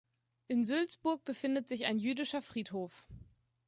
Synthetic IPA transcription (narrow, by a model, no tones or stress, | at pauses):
ʔɪnzʏlt͡sb̥ʊɐk̚b̥əfɪndətz̥ɪça̰ɪnjyːdɪʃɐfʁ̥iːthoːf